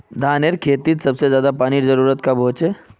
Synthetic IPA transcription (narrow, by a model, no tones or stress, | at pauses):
d̪ʱaːneɾkʰeːt̪it̪sɐbsezjaːd̪apaːniɾzɐɾuːɾət̪kabʱoːt͡ʃe